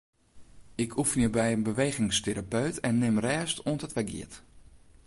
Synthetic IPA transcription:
ɪkʰufənjəbɛjənbəʋeːɣɪŋsteɾapøɥtʰɛnːɪmrɛːstʰoəntətʋɛɡḭət

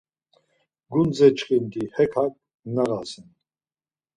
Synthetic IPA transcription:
ɡund͡zɛt͡ʃχind̪ihɛkʰak̚ | naʁasɛn

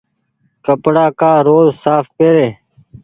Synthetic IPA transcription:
kəpɽaːkaːɾoːzsaːfpeːɾeː

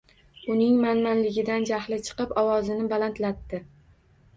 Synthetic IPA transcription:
ʊnɪŋmanmanlɪɡʲɪd̪and͡ʒahlɪt͡ʃʰɨ̥qɨpɒwɒzɪnɪbalant̪lat̪ːɪ

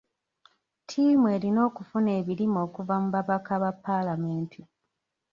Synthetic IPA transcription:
tʰiːmue̞ːɾino̞ːkufune̞ːβiɾimo̞ːkuvamuβaβakaβapːalame̞ːntʰi

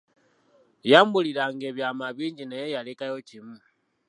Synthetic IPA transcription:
jaːmbulilaŋɡeβjamaβiːɲɟinejejalikajocimu

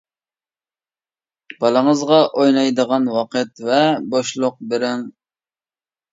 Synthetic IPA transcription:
b̥ɑlˠəŋəzʁɑʔojnɑjd̪əʁɑnwɑqət̪vɛboʃlˠʊq̚bɪɾɪŋ

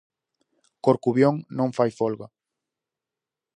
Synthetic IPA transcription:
koɾkuβjõŋnõŋfajfolɣa

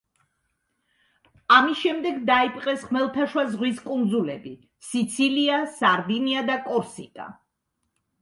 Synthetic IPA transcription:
amisʃɛmd̪ɛɡd̪aipʼqʼɛsʁmɛlˠt̪ʰaʃwazʁwiskʼund̪zulɛbi | sit̪sʰiliasaɾd̪iniad̪akʼɔɾsit̪ʼa̰

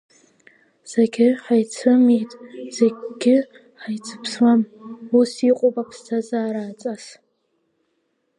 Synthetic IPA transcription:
z̥aɡʲɪħajt͡sʰɨmitʼz̥eɡʲɪ | ħajt͡sʰɨ̥pʰsmamusiqʷʼopʼapʰstʰazaːɾaːt͡sʼas

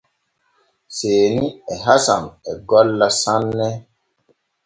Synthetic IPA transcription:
seːniɛɦasa̰mɛɡɔlːasanːɛ

